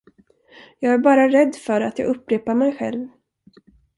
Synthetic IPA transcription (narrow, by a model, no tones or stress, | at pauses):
jɑːɡæɾbɑːɾaɾɛd̪ːfœɾat̪jɑ̰ɡɵpːɾeːpaɾmɛjɧɛ̰lv